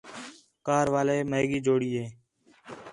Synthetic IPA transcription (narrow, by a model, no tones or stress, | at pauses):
kaːɾʋaːleːməeːɠiːd͡ʒoːɽiːeː